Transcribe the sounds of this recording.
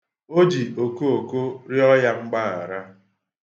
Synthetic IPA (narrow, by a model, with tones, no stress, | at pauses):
o˦d͡ʒi˨o˨ko˦o˨ko˦ɾɪ˦ɔ˦ja˦ŋ͡m̩˦ɡ͡ba˦a̰˨ɾa˦